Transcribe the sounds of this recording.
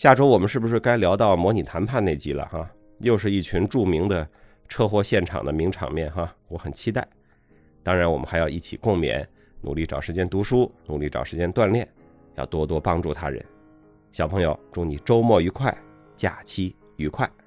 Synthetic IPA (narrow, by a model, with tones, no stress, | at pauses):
ɕja˥˩ʈ͡ʂo˥ʊwɔ˨˩mə˦nʂɻ̩˥˩bu˩ʂɻ̩˥˩ka˥ɪljɑ˧˥ʊt̪ɑ˥˩ʊmwɔ˧˥ni˨˩t̪ʰa˧˥npʰa˥˧nne˥˩ɪt͡ɕi˥lə̰˧xa˥˧ | jo˥˧ʊʂ̬ɻ̩˥˧i˥˩t͡ɕʰy˧˥nʈ͡ʂu˥˩mi˧˥ŋd̪ə˧ | ʈ͡ʂʰɤ˥˧xwɔ˥˧ɕjɛ˥˩nʈ͡ʂʰɑ̰˨˩ŋd̪ə˦mi˧˥ŋʈ͡ʂʰɑ̰˨˩ŋmjɛ˥˩nxa˧˩wɔ˧˥xə˨˩nt͡ɕʰi˥t̪a˥˩ɪ | t̪ɑ˥ŋɻa˧˥nwɔ˨˩mə˦nxa˧ɪjɑ˥˧ʊi˥˩t͡ɕʰi˨˩kʊ˥˩ŋmjɛ̰˧˥˦n | nṵ˨˩li˥˩ʈ͡ʂɑ˨˩ʊʂɻ̩˧˥t͡ɕjɛ˥nt̪u˧˥ʂu˥nu˨˩li˥˩ʈ͡ʂɑ̰˨˩ʊʂɻ̩˧˥t͡ɕjɛ˥nt̪wa˥˧nljɛ˥˩n | jɑ˥˩ʊt̪wɔ˥t̪wɔ˥pɑ˥ŋʈ͡ʂu˥˩t̪ʰa˥ɻə̰˧˥n | ɕjɑ˨˩ʊpʰɤ˧˥ŋjo˨˧ʊʈ͡ʂʊ˧˥ŋni˨˩ʈ͡ʂo˥ʊmwɔ˥˩y˧˥kʰwa˥˩ɪ | t͡ɕja̰˨˩t͡ɕʰi˥ | y˧˥kʰwa˥˩ɪ